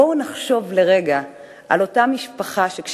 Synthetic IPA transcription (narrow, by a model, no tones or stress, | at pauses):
onaχʃo̞vle̞ʁe̞ɡa | ʔa̰lo̞tamiʃpaχaʃe̞kʃ